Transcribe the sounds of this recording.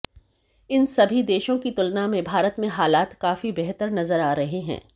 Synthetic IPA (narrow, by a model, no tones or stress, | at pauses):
ɪnsɐbʱid̪eːʃõkit̪ʊlnamẽbʱaːɾət̪mẽɦaːlaːt̪kaːfibɛɦt̪əɾnɐzəɾaːɾɐɦiɦɛ̰̃ː